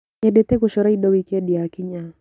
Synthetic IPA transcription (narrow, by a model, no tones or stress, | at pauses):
ɲɛɗɛt̪ɛkuʃɔɾaiɗɔwikɛɗiakiɲa